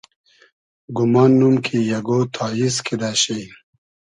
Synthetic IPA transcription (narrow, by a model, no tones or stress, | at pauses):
ɡumɑːnːumkʰijɐɡot̪ʰaːjiskʰid̪aːɕej